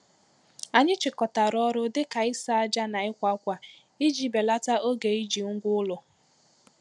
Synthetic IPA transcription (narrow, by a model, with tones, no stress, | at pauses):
a˨ɲɪ˦t͡ʃɪ˨kɔ˨ta˨ɾɔ˦ɾʊ˦dɪ˦ka˨ɪ˦sa˦a˦d͡ʒa˦na˨ɪ˦kʷa˦kʷa˨ | i˦d͡ʒi˦be˨la˦ta˦o˦ɡe˨i˦d͡ʒi˨ŋ̩˦ɡʷʊ˦ʊ˦lʊ˨